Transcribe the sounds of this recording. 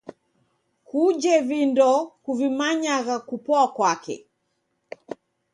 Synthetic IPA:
kud͡ʒɛvindɔkuvimaɲaɣakupɔakwakɛ̰

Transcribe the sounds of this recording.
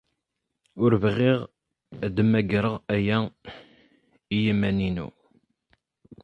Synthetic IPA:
ʊɾvʁiʁ | d̪əmæɡɾəʁæjæ | ijimæninṵ

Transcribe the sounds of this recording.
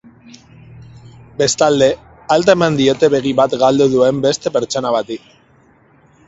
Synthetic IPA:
be̞st̪ald̪e̞ | alt̪̬aemand̪io̞t̪e̞βe̞ɣiβat̪ɡald̪uðue̞mbe̞st̪e̞pe̞ɾt͡ʃo̞naβ̞at̪ik

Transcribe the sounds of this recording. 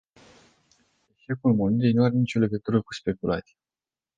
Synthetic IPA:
e̞ʃe̞kulmonilejnuaɾe̞nit͡ʃo̞leɡət̪uɾəku̥spe̞kula̰t̪sʲije

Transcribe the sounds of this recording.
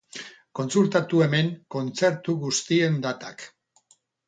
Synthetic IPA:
ko̞nsult̪at̪ue̞me̞ŋko̞nt͡se̞ɾt̪uɣust̪ie̞nd̪at̪ak

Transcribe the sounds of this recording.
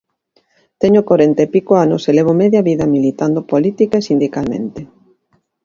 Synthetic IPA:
t̪eɲokoɾent̪epikoano̰seleβ̞omɛðjaβiðɐmilit̪and̪opolit̪ikaesind̪ikalmḛ̃nt̪e

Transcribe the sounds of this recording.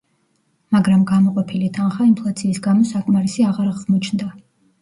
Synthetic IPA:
maɡɾamɡamɔqʼɔpʰilit̪ʰanχaimpʰlˠat̪sʰiːsɡamɔsakʼmaɾisiaʁaɾaʁmɔt͡ʃʰnd̪a

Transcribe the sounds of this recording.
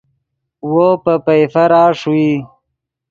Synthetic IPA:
wopəpɐjfɐɾaːʂwi

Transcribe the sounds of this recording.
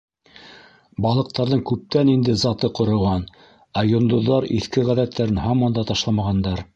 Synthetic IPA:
bɑlˠɤ̆q̚t̪ɑɾðɤɴkʉp̚t̪ænind̪ɘzɑt̪ɤqŏɾŏʁɑn | æjŏnd̪ŏðːɑɾiθkɘʁæðæt̪ːæɾɘnhɑmɑnd̪ɑt̪ɑʃlˠɑmɑʁɑnd̪ɑɾ

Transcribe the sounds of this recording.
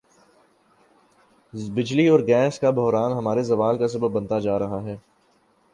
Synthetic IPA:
bɪd͡ʒliɔːɾɡɛ̃ːskabʱɔɦɾaːnɦɐmaːɾezɐʋaːlkas̬ɐbəbbɐ̃nt̪ad͡ʒaːɾɐɦaɦɛː

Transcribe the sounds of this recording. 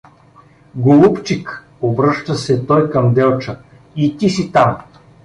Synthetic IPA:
ɡolˠupt͡ʃik | obɾɤʃt̪əsɛt̪ɔjkɐmd̪ɛlˠt͡ʃə | it̪isit̪am

